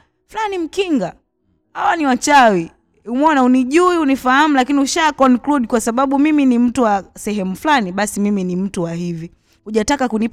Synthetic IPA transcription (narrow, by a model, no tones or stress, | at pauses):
flanim̩kiŋɡa | hawaniwat͡ʃawi | umɔnauniʄuiunifaham̩lakiniuʃakɔnkluɗkwasaɓaɓumiminim̩tuwasɛɦɛmuflaniɓasimiminim̩tuwaɦivi | huʄatakakuni